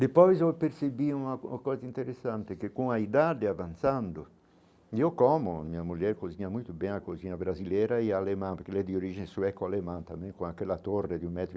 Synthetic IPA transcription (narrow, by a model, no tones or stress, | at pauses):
d̪epɔjzɔpeɾsebiunakɔːzaint̪eɾesːant̪ekekuŋaid̪ad̪eavant̪sand̪ʊ | iokɔmoa̰miamuljɛɾkoziɲamujt̪ubɛŋakozinabɾazilɛɾaiaːlemãnpeɾkelɛd̪ioɾid͡ʒinesuɛkːoalemant̪amɛ̃ŋkoŋakːɛlːat̪orːed̪ummɛt̪